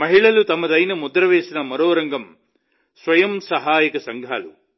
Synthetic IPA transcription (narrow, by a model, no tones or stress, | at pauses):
mɐɦiɭɐlut̪ɐmɐd̪ɐjnɐmud̪ɾɐʋeːsinɐmɐɾoːɾɐŋɡɐm | sʋɐjɐmsɐɦaːjikɐsɐŋɡʱaːlu